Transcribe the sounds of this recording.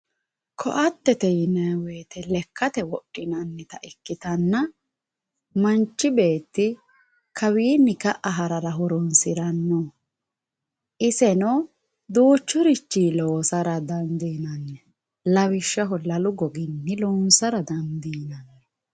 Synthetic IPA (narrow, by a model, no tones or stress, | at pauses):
kʰɔ̰ʔɐt̪ːɛt̪ɛjɪnɐwe̞ːt̪ɛlɛkʰːɐt̪ɛwɔʔːɪnɐnːɛt̪ɐʔɪkːɪt̪ɐnːɐ | mɐnt͡ʃːɪbe̞ːt̪ːɪ | kʰɐwiːnːɪkɐʔɐɦɐɾɐɾɐɦʊɾɔnsɪɾɐnːɔ | ʔɪsɛnɔ | d̪uːt͡ʃːɔɾɪt͡ʃːiːloːsɐɾɐd̪ɐnd̪iːnɐnːɛ | lɐwɪʃːɐɦɔlɐlʊɡɔɡɪnːɪlɔːnsɐɾɐd̪ɐnd̪iːnɐnːɛ